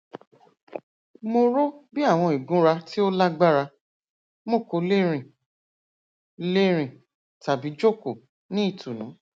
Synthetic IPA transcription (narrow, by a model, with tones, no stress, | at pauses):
mo˧ɾo˦bi˦a˦˨w̃ɔ̃˧˨i˨ɡũ˨˦ɾa˧ti˦o˦la˦ɡ͡ba˦ɾa˧ | mo˦˨ko˧le˦ɾ̃ĩ˨ | le˦ɾ̃ĩ˨ | ta˨bi˨˦d͡ʒo˦˨ko˨ | nĩ˦i˦˨tu˨nũ˨˦